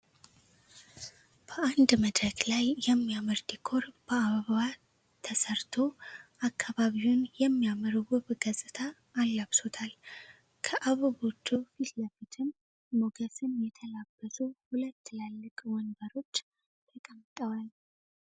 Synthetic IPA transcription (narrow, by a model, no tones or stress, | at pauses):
b̥əʔand̪məd̪ɾəɡlajːɛmːijamɨɾd̪ikʰo̞ɾb̥əaβəββa | t̪ʰːəsəɾt̪ʰo̞ʔakːaβaβiwunjɛmːijaməɾwʊβɡəsʼɨt̪ʰaː | lːaβso̞t̪ʰal | kʰəʔaβəβo̞t͡ʃːufit̪ləfit̪ʰɨmː | oɡəsɨnjɛt̪ʰəlabːəsuhulət̪ːɨlalːɨkʼwɔnbəɾo̞t͡ʃː | t̪ʰəkʼəmt̪ʼəwal